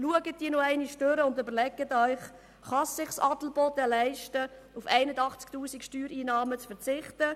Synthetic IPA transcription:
luəɡət̚diːnoæɪniʃtøɾəʊndʏbəɾlɛɡətœʏχ | χɑssɪχsɑtl̩bɔtəlæɪʃtə | ufɛɪnədɑχt͡sktuːsikʃtyːɾiːnɑːmət͡sfəɾt͡sɪχtə

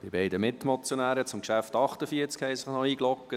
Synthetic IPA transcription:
b̥ɪb̥ɛɪdəmɪt̪mɔt͡sjɔnæːɾət͡sʊmkʃæft̪ɑχt̪əfiət͡skhɛɪsɪχnɔiːɡlɔkːə

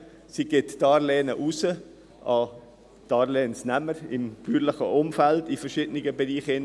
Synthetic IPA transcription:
siɡ̥ɪtːɑːɾleːnəʔusə | ʔɑ | d̥ɑːɾleːnsnɛməɾɪmb̥yːɾlɪχə̰ʔʊmfældifəɾʃɪdənɪɡəbɛɾiːχɪn

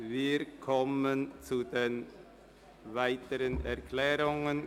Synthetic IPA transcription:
viːkʰɔmənt͡sudeːn | vaɪtəɾənʔɛɐkʰlɛːʁʊŋən

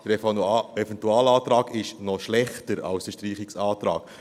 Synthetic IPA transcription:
d̥̪əɾɛfɛfɛnt̪uɑːlɑːt̪ɾɑːɡɪʃnɔʃlɛχtəɾɑ̰lsd̥əʃtriːχiksɑːt̪ɾɑ̰ːɡ̥

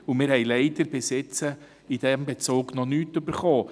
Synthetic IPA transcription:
umɪːɾhɛɪlɛɪdəɾbɪsɪt͡sə | idɛmbet͡suːɡnɔnyːtøbəɾχoː

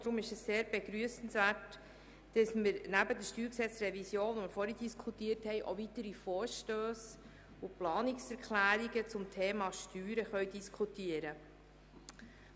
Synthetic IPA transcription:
d̥ɾʊmɪʃɛsːeːɾb̥eɡɾyəsn̩svæːt | d̥əsməɾnæbədəʃtyːɾksɛt͡sɾɛvisjoːnʋoməɾfɔɾid̥iskʰutiːəɾthɛɪʔo̰vit̪əɾifɔːɾʃtøːs | ʊplɑːnɪksɛɾkχlæːɾiɡət͡sʊmtʰeːmɑʃtyːɾəχœɥd̥iskʰutiəɾə

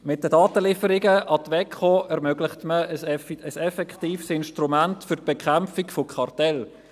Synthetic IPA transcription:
mɪtdədɑːtəlɪfəɾɪɡəʔɑtʋɛkχoɛɾmœɡlɪχtməəsəsɛfɛkχtiːfsɪnʃtrumæntfʏɾt̚b̥ekχamfɪkfokχɑrtɛl

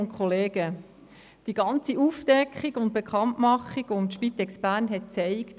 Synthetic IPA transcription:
nkʰχoleːɡə | d̥iɡɑnt͡siʔufd̥ɛkχiɡʊnt̚bekχɑntmɑχiɡ̥oʊntʃpit̪ɛksbæːɾnɦɛt̚t͡sɛɪkt

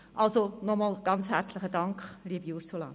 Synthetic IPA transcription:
ʔɑlsonɔmɑːlɡ̥ɑnt͡shæɾt͡sləχədɑŋkχliːbuɾsulɑ̰ː

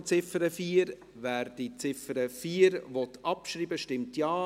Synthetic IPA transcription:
t͡sɪfəɾəfiːɾ | væːɾd̥it͡sɪfəɾəfiːɾvɔtʔɑpʃɾiːbəʃtɪmtjɑː

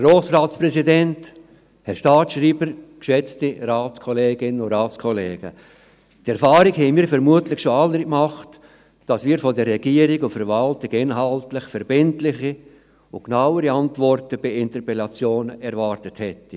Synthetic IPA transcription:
roːsɾaːtspɾɛsidɛnt | hɛɾʃtɑːtʃriːbəɾkʃɛt͡stiɾaːt͡skʰɔleːɡɪnəʊɾaːt͡skʰɔleːɡ̥ə | tɛɾfɑːɾikhɛɪnmiːɾfɛɾmuətlɪxʃoɑlːəɾkmɑχt | d̥ɑsmiːɾfɔdɛɾːɛɡ̥iːəɾikʊntfɛɾvɑltɪkɪnɦɑltlɪxfɛɾbɪntlɪχi | ʊknaʊəɾiɑntvɔrtəb̥ɪɪntəɾpɛlɑt͡sjoːnəɛɾvɑːɾtəthɛti

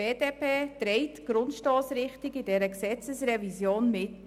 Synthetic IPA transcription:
eːdeːpeːd̥ɾɛɪtɡ̥ɾʊntʃtoːsɾɪχtɪɡidɛɾəksɛt͡səsrɛvisjoːnmɪt

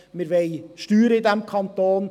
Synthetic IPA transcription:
mɪɾʋɛɪʃtyːɾəɪd̪ɛmkʰɑnt̪oːn

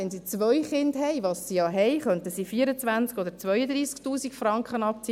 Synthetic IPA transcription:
ɛnsit͡sʋœjχɪndɦɛjʋɑsːijɑɦɛjχœnt̪əsifiəɾət͡sʋænt͡skɔd̪əɾt͡sʋœʏəd̪ɾiːsktuːsikfrɑŋkχənɑpt͡si

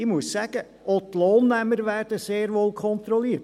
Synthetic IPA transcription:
ɪmuəssæɡ̥ə | ʔɔtloːnːæməɾʋæːrd̥əseːɾʋoːlˠkʰχɔnt̪ɾɔliːt

